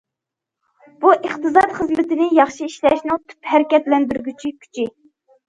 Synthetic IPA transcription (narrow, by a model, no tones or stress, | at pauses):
b̥uʔəχt̪ɨzɑt̪χəzmɪt̪ɪnɪjɑχʃiiʃlɛʃnɨŋt̪ʰy̥phæɾɪkʲɛt̪lɛnd̪yɾɡʲyt͡ʃʰikʲʰy̥t͡ʃʰɪ